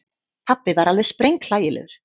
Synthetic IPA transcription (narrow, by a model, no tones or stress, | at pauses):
hʰapːɪvaɾalðɛspɾejŋkl̥aːjɪlʔɛ̰ɣʏɾ̥